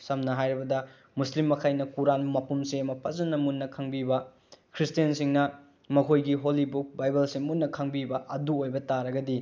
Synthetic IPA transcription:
sɐmnɐɦajɾibɐdɐ | muslimːɐkʰajnɐkuɾanmɐpumseɐmɐpʰɐzɐnːɐmunːɐkʰɐŋbibɐ | kʰɾistijensiŋnɐ | mɐkʰojɡiɦolibuk̚bajbɐlsiŋmunːɐkʰɐŋbibɐʔɐduojbɐtaɾɐɡɐdi

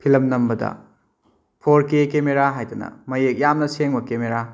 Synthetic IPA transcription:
pʰilɐmnɐmbɐdɐ̰ | pʰoɾkekemeɾaɦajtɐnɐ̰mɐjek̚jamnɐseŋbɐkemeɾa

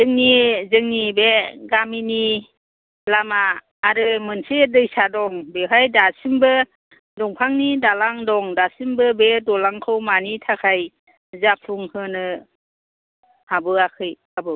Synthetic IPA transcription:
zɯŋnizɯŋnibeɡamini | lamaː | ɾɯmɯnsedɯjsadɔŋbeɦajdasimbɯ | dɔŋpʰaŋnidalaŋdɔŋdasimbɯbedɔlaŋkʰɯwmanitʰakʰaj | zapʰuŋhɯnɯ | habɯakʰɯjhabɯw

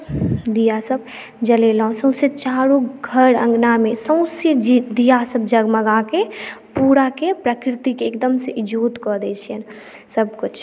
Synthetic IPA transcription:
d̪ijasəb̚ | d͡ʒəleləɦõsə̃ʊ̃set͡ʃaːɾũɡʱəɾə̰̃ŋɡnamẽsə̃ʊ̃sed͡ʒd̪ijasəb̚d͡ʒɐɡməɡakepuːɾakepɾəkɾɪt̪ikeːkd̪əmseʔɪd͡ʒuːt̪kɔd̪et͡ʃʰɛn | səbkʊt͡ʃʰ

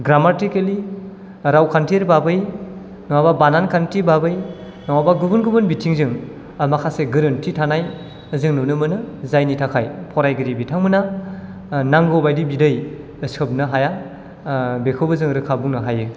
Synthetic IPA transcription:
ɡɾamatikeli | ɾawkʰantʰiɾbabɯj | nɔwababanankʰantʰibabɯj | nɔwabaɡubɯnɡɯbɯnbitʰiŋzɯŋ | amakʰaseɡɯɾɯntʰitʰanaj | zɯŋnɯnɯmɯnɯzajnitʰakʰajpʰɔɾajɡɯɾibitʰaŋmɯna | naŋɡobajdibidɯj | ɯsɯp̚nɯɦaja | bekʰɯbɯzɯŋɾɯkʰabuŋnɯɦajɯ

